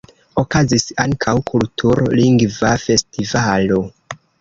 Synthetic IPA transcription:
o̞kazisaŋkʰawkʰultʰuɾliŋɡvafe̞stivalo̞

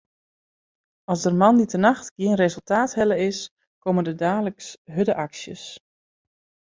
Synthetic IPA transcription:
ɑsdərmɑnditənaxtɡ̥jiənrezɵlˠtaːthɛləɪs | koməndədaːləksɦødəʔaksjə̰s

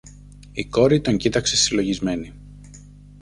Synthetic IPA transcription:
iko̞ɾit̪o̞ɲcit̪ɐkse̞silo̞ʝizme̞ni

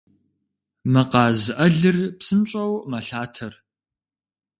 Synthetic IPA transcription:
mɐqɑːzɨʔɐɮɨrpsɨmɕʼɐwmɐɬaːtʰɐr

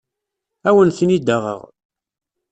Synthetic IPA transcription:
æwənθnid̪əʁə̰ʁ

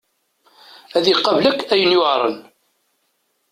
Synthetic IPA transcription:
æðiqːɑvləkːæjənjʊʕɾˤə̰n

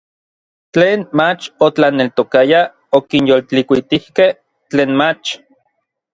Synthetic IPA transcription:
t͡ɬeːnmat͡ʃot͡ɬanelt̪okaja | okinjolt͡ɬikʷit̪ihkeh | t͡ɬeːnmat͡ʃ

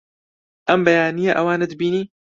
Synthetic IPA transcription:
ʔɐmbɛjaːnijaʔɐwaːned̪ɨbiːniː

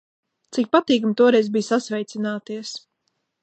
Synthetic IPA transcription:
t̪sik̚pat̪iːkamt̪uɔɾɛjzbijsasvɛjt̪sinaːt̪iɛs

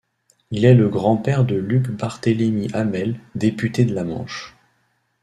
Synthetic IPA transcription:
ilɛləɡʁɑ̃pɛʁd̪əlykbaʁt̪əlemiʔamɛld̪epyt̪ed̪əlamɑ̰̃ʃ

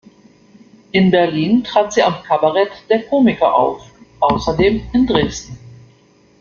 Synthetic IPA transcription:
ʔɪnbɛɐliːntʁ̥aːtz̥iːamkʰabaʁɛtd̥eːɐkʰoːmɪkɐʔa̰ʊfʔaʊsɐdeːmɪndʁeːstn̩

